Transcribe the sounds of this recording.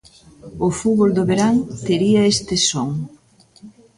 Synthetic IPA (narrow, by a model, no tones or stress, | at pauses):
ofuβold̪oβeɾaŋt̪eɾiɐest̪esoŋ